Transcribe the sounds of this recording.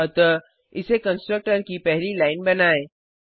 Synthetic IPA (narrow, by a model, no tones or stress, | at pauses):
t̪ə | ɪsekə̃nsʈɾək̚ʈəɾkipɛɦlilaːɪnbɐnaːẽː